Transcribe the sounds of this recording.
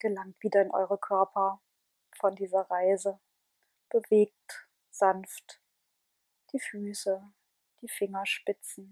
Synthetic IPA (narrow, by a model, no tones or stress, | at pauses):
ɡ̥əlaŋtv̥iːdɐɪnʔɔ̰ʏʁəkʰœɐpʰɐ | fɔndiːzɐʁaɪzə | b̥əveːk̚t | z̥anft | d̥iːfyːsə | d̥iːfɪŋɐʃpɪt͡sn̩